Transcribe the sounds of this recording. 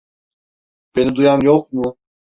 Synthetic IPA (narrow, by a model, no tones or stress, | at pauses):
b̥enid̪ujamjokmu